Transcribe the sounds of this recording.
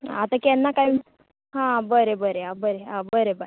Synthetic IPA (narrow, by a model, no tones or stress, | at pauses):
a̰t̪ãkɛnːakaj | ɦãbəɾebəɾeɦãbəɾeɦãbəɾebə